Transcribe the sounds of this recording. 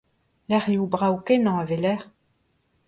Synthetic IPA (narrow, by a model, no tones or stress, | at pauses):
lɛʁiubʁaukenɑ̃avelɛʁ